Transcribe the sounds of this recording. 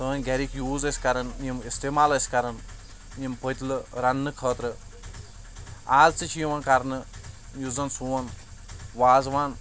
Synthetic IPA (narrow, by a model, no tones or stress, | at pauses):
t̪ɐɐnʲɡɐɾikjuːzɐsʲkɐɾɐnimist̪emaːlɐsʲkɐɾɐn | jimpət̪ʲlɨɾɐnːɨkʰəːt̪ɾɨ | aːzt͡sɨt͡ʃʰjiʋɐnkɐɾnɨjuzɐnsuːʋɐnʋaːzʋaːn